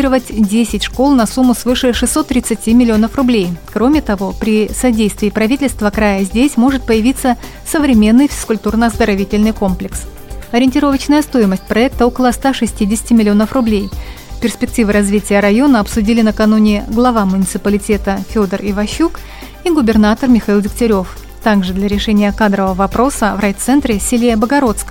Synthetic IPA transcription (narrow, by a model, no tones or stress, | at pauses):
ɾəvətʲdʲesʲɪtʲʂko̞lˠnɐsumːʊsvɨʂɨʂɨsːo̞t̪ːɾʲɪt̪sɨtʲimʲɪlʲɪo̞nəfrʊblʲejkɾo̞mʲɪt̪ɐvo̞pɾʲɪsɐdʲejst̪vʲɪːpɾɐvʲitʲɪlʲst̪vəkɾajəzʲdʲesʲmo̞ʐɨt̪̚pəjɪvʲit̪sə | səvɾʲɪmʲe̞nːɨjfʲɪ̥skʊlʲt̪urnəɐzd̪əɾɐvʲitʲɪlʲnɨjko̞mplʲɪks | ɐɾʲɪnʲtʲɪɾo̞vət͡ɕnəjəst̪ojɪməsʲt̚ʲpɾɐɛk̚t̪əo̞kəlˠəst̪aʂɨsʲtʲidʲɪsʲɪ̥tʲɪmɪlʲɪo̞nəfrʊblʲej | pʲɪrspʲɪk̚tʲivɨɾɐzvʲitʲɪjəɾɐjo̞nəɐpsʊdʲilʲɪnəkɐnunʲɪɡlˠɐvamʊnʲɪt̪sɨpəlʲɪtʲe̞t̪əfʲo̞d̪ərɪvɐɕːuk | iɡʊbʲɪrnat̪ərmʲɪxɐilˠvʲɪktʲɪɾʲo̞f | t̪aɡʐɨd̪lʲɐɾʲɪʂɛnʲɪjəkad̪ɾəvəvɐpɾo̞səvrɐjt̪sɛnt̪ɾʲɪsʲɪlʲejəbəɡɐɾo̞t̪skə